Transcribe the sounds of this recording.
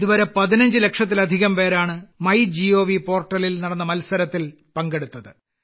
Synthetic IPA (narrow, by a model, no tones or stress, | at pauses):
iðuʋɐɾɐpɐðinɐɲd͡ʑɨle̞kʂɐt̪̬ːilɐd̪ʱiɣɐmpe̞ːɾaːɳɨmɐjd͡ʑio̞ːʋipo̞ːrʈːɐlilnɐɽɐnːɐmɐlsɐɾɐt̪ːil | pɐŋɡe̞ɽut̪ːɐðɨ